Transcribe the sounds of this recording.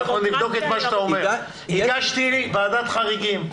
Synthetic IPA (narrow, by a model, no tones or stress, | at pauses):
χnolivd̪o̞ket̪maʃat̪aomeʁ | iɡaʃt̪ilibaːdat̪χaʁiɡim